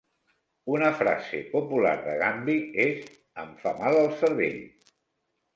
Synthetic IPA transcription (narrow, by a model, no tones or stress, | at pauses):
unəfɾa̰zḛpupula̰ɾðəɣambiez | əmfamalˠəlˠsəɾβeʎ